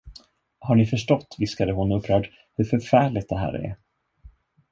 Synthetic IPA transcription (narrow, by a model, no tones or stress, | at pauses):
haɳɪfœʂʈɔt̪ːvɪskad̪əɦʊnɔɵpːɾœːɖ | hɵɾfœɾfæːɭɪt̪̚d̪ɛɦæ̰ːɾɛ̰ɾ